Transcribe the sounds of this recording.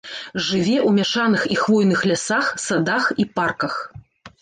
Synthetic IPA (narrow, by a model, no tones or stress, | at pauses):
ʐɨvʲɛʔwmʲaʂanɨxixvɔjnɨxlʲasaxsad̪axiparkɐx